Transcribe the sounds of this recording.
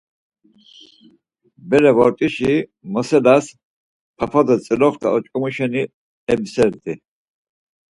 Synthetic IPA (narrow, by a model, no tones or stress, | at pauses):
bɛɾɛvɔɾt̪ʼiʃimɔsɛlas | pʰapʰad̪ɔt͡sʼɛlɔχd̪a̰ɔt͡ʃʼkʼɔmuʃɛni | ɛbsɛɾd̪i